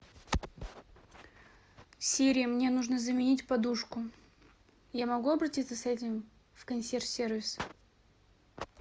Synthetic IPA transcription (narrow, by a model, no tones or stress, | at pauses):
fsʲeɾʲɪəmnʲe̞nuʐnəzəmʲɪnʲitʲpɐd̪uʂkʊ | jamɐɡuɐbɾɐtʲit̪səsɛtʲɪm | fkɐnʲsʲersʲervʲɪs